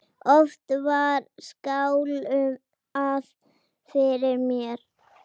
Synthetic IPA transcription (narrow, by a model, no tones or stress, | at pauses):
ɔft̪vaɾskawlʏm | að | fɪɾɪɾmjɛɾ̥